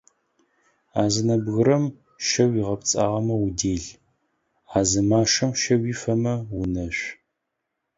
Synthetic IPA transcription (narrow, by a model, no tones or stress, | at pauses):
aːzɨnɐbɣɨɾɐm | ʃɐwiːʁɐpt͡sʼaːʁɐmɐwʊdeːɮ | aːzɨmaːʂɐmʃɐwiːfɐmɐwʊnɐɕʷ